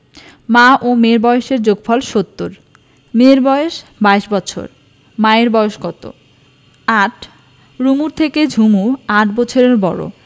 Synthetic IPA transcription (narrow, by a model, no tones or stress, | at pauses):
maʔomeɾbɔeʃeɾd͡ʑoɡfʰɔlʃot̪ːoɾ | meɾbɔeʃbaeʃbɔːt͡ɕʰo̰ɾ | maeɾbɔoʃɡɔt̪o̰ | aʈʰ | ɾumuɾt̪ʰeked͡ʑʱumuaʈʰbɔt͡ɕʰoɾeɾbɔɾo̰